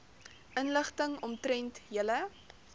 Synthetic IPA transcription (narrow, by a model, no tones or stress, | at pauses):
ʔənləχtəŋɔmtɾɛntjələ